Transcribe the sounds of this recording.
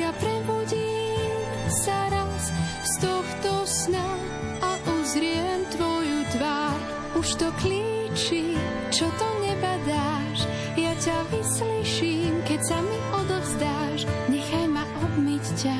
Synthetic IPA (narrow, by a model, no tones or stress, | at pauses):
japɾɛbuɟiːm | saɾas | st̪ɔxt̪ɔsna | aʔuzɾɪɛmt̪ʋɔjut̪ʋaɾ | uʃt̪ɔkli | t͡ʃi | t͡ʃɔt̪ɔɲɛbad̪aː | ʃ | jacaʋisliʃimkɛcsamiʔɔd̪ɔvzd̪aːʃɲɛxajmaʔɔb̪micca